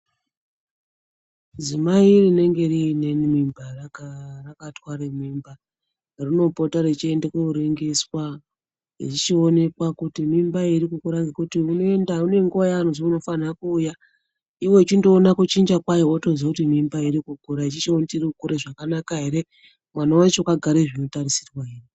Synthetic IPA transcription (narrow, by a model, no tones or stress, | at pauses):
zimairine̞ŋɡe̞rinemimba | rakatwaɾemimba | rino̞po̞taɾet͡ʃiendekeuɾeŋɡe̞swa | ḭt͡ʃit͡ʃione̞kwakutimimbaiɾikukuɾaŋɡekutiuno̞e̞ndaune̞ŋɡoajaːnonziuno̞fanakuːja | iwe̞t͡ʃindo̞ːnakut͡ʃind͡ʒakwajootozakutimimbaiɾikukuɾait͡ʃit͡ʃeontiriukuɾeʐakanakaɦe̞ɾe̞ | mwanawait͡ʃoukaɡʱaɾeʐino̞taɾisirwaɦeːri